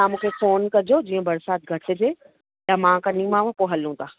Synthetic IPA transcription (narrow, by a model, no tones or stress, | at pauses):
amũːkʰefoːnkɐd͡ʑod͡ʑiːə̃bɐɾsaːt̪̚ɡʱɐʈɪ̆d͡ʑeː | jamãːkɐnĩmãʋãpoɦɐlũt̪aː